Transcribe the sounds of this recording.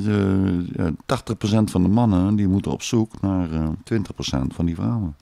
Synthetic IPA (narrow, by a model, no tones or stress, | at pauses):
ja̰taxtəxprosɛntfɔndəmɑnədimutə̰nɔ̰psuknartwʋɪntəxprosɛ̰ntfɔndifrawən